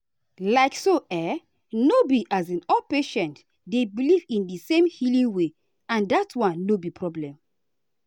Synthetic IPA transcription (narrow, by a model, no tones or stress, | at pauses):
laɪksoʔɛ | nobiʔazĩnɔpeʃɛ̃nt | debilivĩndisẽmhilĩŋwe | ãndatwãnːobipʰɹɔblɛ̃m